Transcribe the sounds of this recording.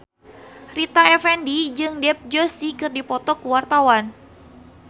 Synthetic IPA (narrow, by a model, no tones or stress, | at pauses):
rit̪aɛfɛndid͡ʒɨŋdɛp̚d͡ʒosikɨrdipɔt̪ɔkuwart̪awan